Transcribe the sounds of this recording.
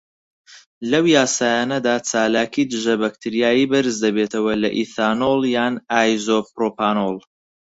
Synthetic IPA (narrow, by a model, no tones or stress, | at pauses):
lɐwjaːsaːjaːnɐd̪aːt͡sʰaːlaːkid̪ɨʒɐbɐk̚t̪ʰɨɾijaːjiːbɨɾɨzd̪ɐbet̪ʰɐwɐlɐʔiθaːnolˠjaːnaːjzopɾopaːnolˠ